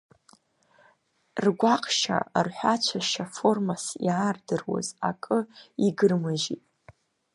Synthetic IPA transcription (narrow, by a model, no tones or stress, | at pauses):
rɡʷaqʰʼʃa̰rħʷat͡ʃʷʰaʃafo̞rmasijaːrdɨrwa̰za̰kʼɨiɡɨrmɨʒitʼ